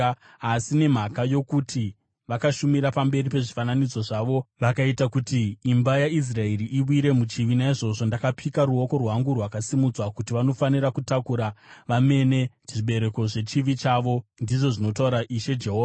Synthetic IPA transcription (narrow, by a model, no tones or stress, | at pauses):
asine̞m̤akajo̞kutʰi | ʋakaʃumiɾapambe̞ripe̞ʐifananid͡zo̞ʐaʋo̞ʋakaitakutiːmbajais̬rae̞riʔiɓwiɾe̞mut͡ʃiʋinaiʐo̞ʐo̞ndakapʰikaɾuo̞ko̞rwɦaŋɡurwakasimud͡zwakutiʋano̞fanirakutakuɾaʋame̞ne̞ | ʐiɓe̞ɾe̞ko̞ʐe̞t͡ʃiʋit͡ʃaʋo̞ndiʐo̞ʐino̞tauɾaʔiʃe̞d͡ʒeɦoːʋa